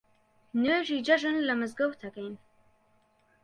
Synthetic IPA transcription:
neːʒiːd͡ʒɐʒɨnlɐmɨzɡɐwt̪ʰɐkɐjn

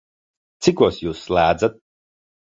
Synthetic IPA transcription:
t̪sikuɔsjuːsːlæːd̪zat̪̚

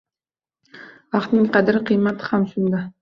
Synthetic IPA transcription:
ɑq̪nɪŋqʰɑd̪ɪɾɪqʰɨjmat̪ʰɪ̥hamsʊnd̪a

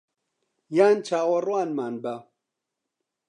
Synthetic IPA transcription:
jaːnt͡ʃʰaːwɐrwaːnmaːnba

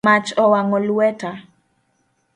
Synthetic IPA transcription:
at͡ʃɔwaŋɔlwɛta

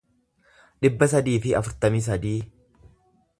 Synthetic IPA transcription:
ᶑɪbːɐsɐd̪iːfɪɐ̰fʊɾt̪ɐmis̬ɐd̪iː

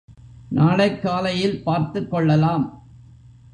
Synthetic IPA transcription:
nʔaːɽɐɪkːaːlɐjɪlpaːɾt̪ɯkːɔɭːɐlaːm

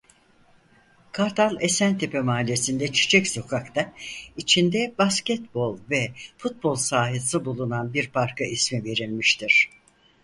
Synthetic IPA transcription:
kʰaɾt̪ʰalˠesænt̪ʰe̞pɛmaːlʲijesind̪ɛt͡ʃʰi̥t͡ʃʰɛcso̞kʰakt̪ait͡ʃʰind̪ɛbascɛt̪bo̞lˠvɛfut̪̚bo̞lˠsaːɦisɯbulˠunanbiɾpʰaɾkʰaismive̞ɾilʲmiʃt̪ʰiɾ̥

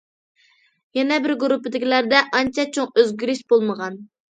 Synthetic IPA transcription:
jɛnɛbɪɾɡɾupːɪd̪ɪkʲilæɾd̪ɛʔɑnt͡ʃʰɛt͡ʃʰoŋøzɡʲyɾyʃbolˠməʁɑn

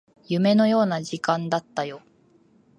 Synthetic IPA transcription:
jɯ̟me̞no̞jo̞ːnaʑikãnd̪at̪ːajo̞

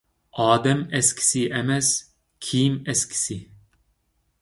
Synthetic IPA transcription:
ɑːd̪ɛmɛskʲʰi̥siʔɛmɛs | kʲʰiːmɛskʲʰi̥si

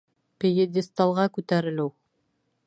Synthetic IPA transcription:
pʲejed̪ʲɪst̪ɑlˠʁɑkʉt̪æɾɘ̆lɘw

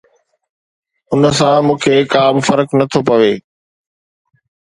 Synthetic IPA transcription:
ʊnə̆sãmũːkʰeːkaːbɪfɐɾəknɐt̪ʰopɐʋeː

